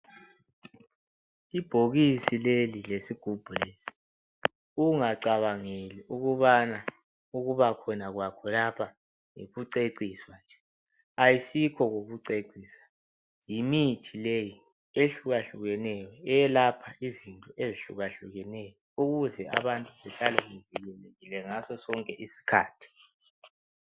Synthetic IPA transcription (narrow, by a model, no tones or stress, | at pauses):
ib̥ʱoɣisilelilesiɡ̥ʱub̥ʱulesi̥ | uŋaǀaβaŋeliʔuɣuβana | uɣuβakʰɔnaɣwakʰɔlapʰa | ŋḛɣuǀeǀiswand͡ʒʱɛ | ajisikʰɔɣoɣuǀeǀiːsḁ | jimitʰileji | eɬuɣaɬuɣɛnɛjɔɛjɛlapʰaizintʼɔeziɬṵɣaɬuɣɛnɛjɔuɣuzɛa̰βantʼuβɛɬalɛŋevilɛleɣilɛŋasɔsɔŋkʼɛʔisi̥kʰa̰ːtʰi̥